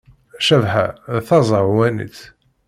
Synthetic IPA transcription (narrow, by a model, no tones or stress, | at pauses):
ʃævħæ̰θɑzˤəʁwænḭt͡s